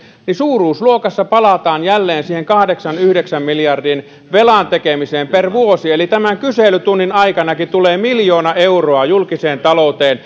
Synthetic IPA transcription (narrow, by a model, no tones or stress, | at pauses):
nisuːruːsluokɑsːɑpɑlɑt̪ɑːnjælːeːnsiːheŋkɑhdeksɑnyhdeksæmmiljɑrdiːn | ʋelɑnt̪ekemiseːmperʋuosielit̪æmæŋkyselyt̪unːinɑikɑnɑkit̪uleːmiljoːnɑʔeuroɑjulkiseːnt̪ɑlout̪eːn